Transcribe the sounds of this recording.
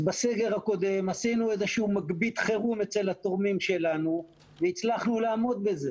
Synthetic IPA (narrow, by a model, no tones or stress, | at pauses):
base̞ɡe̞ʁako̞d̪e̞mhasinuezeʃuumaɡbit̪χe̞ʁume̞t͡se̞lhat̪o̞ʁmimʃe̞lanu | veit͡slaχnulaːmo̞d̪̚be̞ze̞